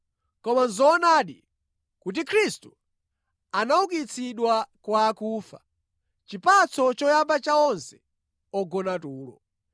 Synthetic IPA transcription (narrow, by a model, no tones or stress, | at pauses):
kɔmanzɔːnaːɗḭ | kut̬ikʰɾistu | anauk̬it͡sʰiɗwakwaːkuːfa̰ | t͡ʃipat͡sʰɔt͡ʃɔjabat͡ʃaɔnsɛ̥ | ɔɡɔnatuːlɔ̰